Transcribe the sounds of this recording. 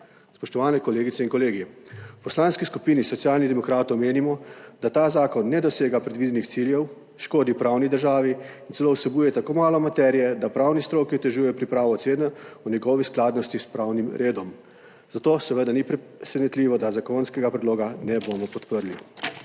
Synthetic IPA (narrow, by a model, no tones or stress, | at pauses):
spɔʃt̪ɔʋaːnɛkɔleːɡit̪sɛinkɔleːɡipɔslanskiskupiːnisɔt̪sjaːlnid̪ɛmɔkɾaːt̪ɔwmeːnimɔd̪at̪aːzaːkɔnːɛd̪ɔseːɡapɾɛd̪ʋiːd̪ɛnixt̪siljɛw | ʃkoːd̪iwpɾawnid̪əɾʒaːʋiint̪sɛloːwsɛbuːjɛt̪akoːmaːlɔmat̪ɛːɾijɛd̪apɾawnist̪ɾoːkiɔt̪ɛʒuːjɛpɾipɾaːʋɔseːnɛunʲɛɡɔːʋisklaːd̪nɔst̪ispɾaːwnimɾʔeːd̪ɔm | zat̪oːsɛʋəd̪anipɾɛ | sɛnɛt̪liʋɔd̪azakonskɛɡapɾɛd̪loːɡanɛbomɔpɔt̪pəɾli